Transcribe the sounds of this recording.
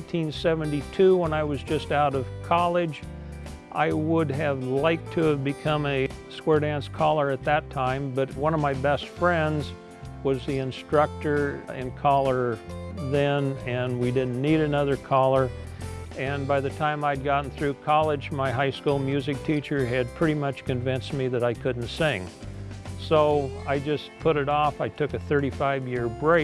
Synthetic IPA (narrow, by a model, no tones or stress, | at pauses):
tʰĩnsɛvɨ̃ntitʰʉwə̃naɪwʌzd͡ʒʌstaʊɾʌv̥kʰɑlˠɪd͡ʒ | ʔa̰ɪwədɨvlaɪk̚tʰɨːvbɨkʰʌ̃mɨskwɛɹɾæ̃nskʰɑlˠə˞ɨt̪̚ðɨtʰãɪ̃mbʌt̚wʌ̃ñʌvmaɪbɛstfɹɛ̃ndz | wʌzðiɨ̃nstɹ̥ʌk̚tə˞ɨ̰̃nkʰɑlˠə˞ðɨ̃nɨ̃nwidɪdⁿn̩nːiɾɨnʌðə˞kʰɑlˠə˞ | ɨ̃nbaɪðɨtʰãɪ̃maɪd̚ɡɑʔn̩θɹʉkʰɑlˠɪd͡ʒmaɪɦaɪskulˠmjʉzɨk̚tʰit͡ʃə˞ɨd̚pʰɹ̥ɪɾimʌt͡ʃkɨ̃ɱvɪ̃nst̚miðɨɾaɪkʰʊdⁿn̩tsɪ̃ŋ | soʊaɪd͡ʒʌspʰʊɾɨɾɔfaɪtʰʊkɨθɜ˞ɾifaɪvjɪɹbɹeɪ